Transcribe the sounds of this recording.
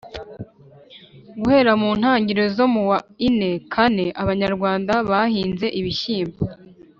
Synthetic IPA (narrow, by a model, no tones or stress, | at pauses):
ɡuhe̞ɾamuːn̥haːɲɟiɾezo̞muwaine̞kʰane̞ʔaβaɲaɾɡwaːndaβahiːnze̞ʔiβiçiːmbo